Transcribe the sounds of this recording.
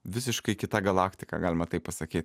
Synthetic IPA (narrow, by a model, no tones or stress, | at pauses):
ʋʲɪsʲɪʃkɐɪkʲɪt̪ɐɡɐlˠɑːkt̪ʲɪkɐ̰ɡɑːlʲɪmɐt̪ɐɪpːɐsɐkʲiːt̪ʲ